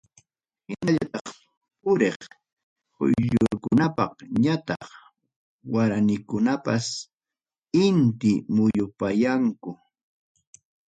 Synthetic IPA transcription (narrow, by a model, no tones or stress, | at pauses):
hɪnaʎat̪ɑχ | pʊɾeχ | hʊ̰jʎʊɾkʊnapɑ̰χɲat̪ɑχ | waɾanɪkʊnapas | ɪnt̪ɪmʊjʊpajaŋkʊ